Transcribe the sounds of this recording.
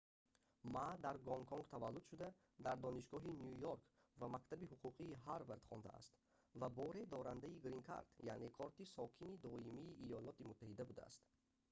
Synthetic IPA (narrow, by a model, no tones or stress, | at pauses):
mad̪aɾɡɔŋkʰɔŋɡt̪ʰavalːud̪̥ʃud̪a | d̪aɾd̪ɔniʃɡɔɦinjujɔɾkvamakt̪ʰabihuquqʰiːɦaɾvaɾt̪χɔ̰nd̪a̰a̰st̪ | vabɔɾe̞d̪ɔɾand̪aiɡɾiŋkʰa̰ɾt̪ja̰ne̞kʰɔɾt̪isɔkʰinid̪ɔimiːʔːjɔlɔt̪imut̪ʰːahid̪abud̪a̰a̰st̪